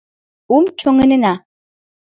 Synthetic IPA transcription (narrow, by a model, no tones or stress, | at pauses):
umt͡ʃoŋənɨna